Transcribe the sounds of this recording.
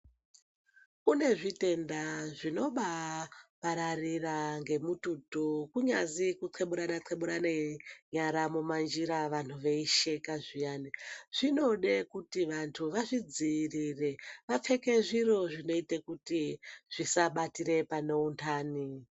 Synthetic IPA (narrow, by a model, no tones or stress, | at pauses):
kune̞ʐite̞ndaʐino̞ɓapaɾariraŋɡe̞mututukuɲazikut͡sʰweɓuɾanat͡sʰeɓuɾaneɲaɾamumand͡ʒiɾaʋan̤ʰuʋe̞iʃe̞kaʐijaːniʐ̥ino̞ɗekutiʋantʰuʋaʐid͡zirire̞ʋap͡fe̞ke̞ʐiro̞ʐino̞itekutiʐ̥isaɓatiɾe̞pano̞untʰaːni